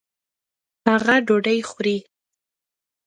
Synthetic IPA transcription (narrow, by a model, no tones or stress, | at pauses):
haɣaɖoɖəjxɾi